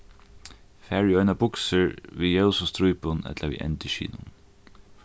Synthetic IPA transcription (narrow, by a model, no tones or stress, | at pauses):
fæːɹɪœʏnɑbʊksəɹʋiːjɛʊsɔst̪ɾuʏpʊnɛ̰t̪ləʋḭːʔɛ̰nt̪ɪʃḭːnʊ̰n